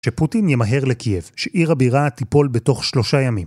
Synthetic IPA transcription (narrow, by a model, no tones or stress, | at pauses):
ʃeputinjemaɦe̞ʁlekʰijevʃeʔiʁabiʁat̪ipo̞lbeto̞χʃlo̞ʃajamim